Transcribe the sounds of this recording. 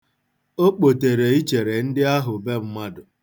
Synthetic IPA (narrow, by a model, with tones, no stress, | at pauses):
o˦k͡po˨te˨ɾe˨i˦t͡ʃe˨ɾe˨n̩˦dɪ˦a˦ɦʊ˨be˦m̩˦ma˦dʊ˨